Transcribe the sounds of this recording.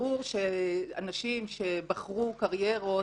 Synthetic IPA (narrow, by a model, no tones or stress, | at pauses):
uʁʃeanaʃimʃe̞baχʁukaʁjeʁo̞